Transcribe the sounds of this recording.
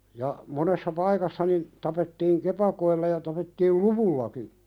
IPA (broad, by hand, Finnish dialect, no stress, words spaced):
jɑ monesːɑ pɑikɑsːɑ nin tɑpetːiːŋ kepɑkoilːɑ jɑ tɑpetːiːl luʋulːɑki